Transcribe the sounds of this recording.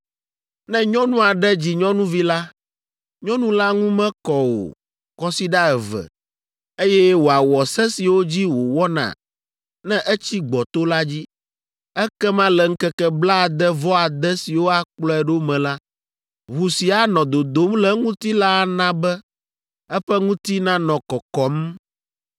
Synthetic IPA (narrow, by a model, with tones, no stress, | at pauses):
nɛ̃˦ɲɔ̃˦nũ˦a˨ɖɛ˦d͡ʑi˨ɲɔ̃˦nũ˦vi˦la˦ | ɲɔ̃˦nũ˦la˦ŋũ˦mɛ̃˦kɔ˨wo̰˨ | kɔ˦si˦ɖa˦ɛ˨vɛ̰˨ | e˦jɛ˦wo˨a˨wɔ˨sɛ˦si˨wo˦d͡ʑi˦wo˨wɔ˦nã̰˨ | nɛ̃˦ʔɛ˦t͡ɕi˦ɡ͡bɔ˨t̪o˦la˦d͡ʑi˦ | ɛ˦kɛ˦mã˦lɛ˨ŋ̩˦kɛ˦kɛ˦bla˦˨d̪ɛ˦vɔ˦a˨d̪ɛ˦si˨wo˦a˨k͡plɔ˦ɛ˨ɖo˦mɛ̃˨la˦ | ɦu˨si˨a˨nɔ̃˨d̪o˨d̪o˨˦mlɛ˨ŋũ˦t̪i˦la˦˨nã˦bɛ˦ | ɛ˦ɸɛ˦ŋũ˦t̪i˦nã˦nɔ̃˨kɔ˨kɔ˦m